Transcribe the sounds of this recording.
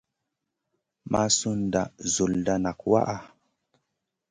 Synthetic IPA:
ma˦su˦nda˨zo˨lda˦na˨kwa̰˦ʔa˦

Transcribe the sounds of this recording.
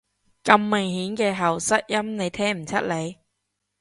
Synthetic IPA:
kɐ˧mːɪ˨˩ŋhiː˨˥nkɛː˧ɦɐ˨˩wsɐ˥t̚jɐ˥mne˨˧jt̪ʰɛː˥m̩˨˩t͡sʰɐ˥t̚le˨˧j

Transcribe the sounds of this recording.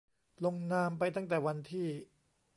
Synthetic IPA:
lo˧ŋnaː˧mpa˧jt̪̬a˥˩ŋt̪ɛː˨˩wa˧nt̪ʰiː˥˩

